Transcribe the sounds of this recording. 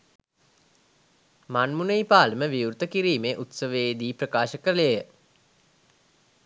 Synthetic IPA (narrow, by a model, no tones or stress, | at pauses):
manmunəjpaːləməʋiuɾt̪əkiɾiːmeːʔut̪səʋeːd̪iːprəkaːʃəkəɾəlejə